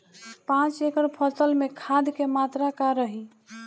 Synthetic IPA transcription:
pãt͡ʃekəɾpʰəsəlmekʰad̪kemat̪ɾakaɾəɦi

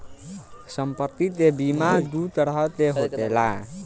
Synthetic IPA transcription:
sʌmpʌt̪it̪ebimad̪ut̪ʌɾʌt̪eɦot̪ela

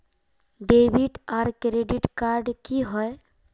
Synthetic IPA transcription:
ɖebiʈaɾkɾeɖiʈkaɾɖkiɦɔe

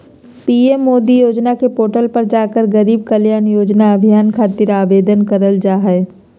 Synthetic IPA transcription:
piːemːoːd̪ijoːd͡ʒnakepoːʈəlpɐɾd͡ʒaːkəɾɡɐɾiːb̚kəljaːnjoːd͡ʒnaɐbʱijaːnkʰaːt̪ɪɾaːbeːd̪ənkəɾəld͡ʒaːɦɛ

